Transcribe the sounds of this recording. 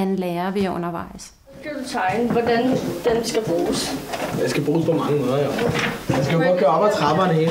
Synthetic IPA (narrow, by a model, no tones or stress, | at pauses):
ænleːɐʋijʔɔ̽nɐʋɑ̈ɪ̰s | ɡ̥æd̥ut͡sʰɑ̈ɪnəʋɒdænd̥emsɡ̥æb̥ʁuːsjɑ̈ɪsɡ̥æb̥ʁuːspʰɒmɑ̈ŋəmoðˠɐjɒmæsɡ̥æjoɡɒ̽d̥̚ɡ̥ɶːɐɑːb̥ɑ̈ɪ̥sʁɑ̈b̥ɐːnheː